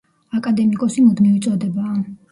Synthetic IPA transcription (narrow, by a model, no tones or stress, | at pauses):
akʼad̪ɛmikʼɔsimud̪miut̪sʼɔd̪ɛbaː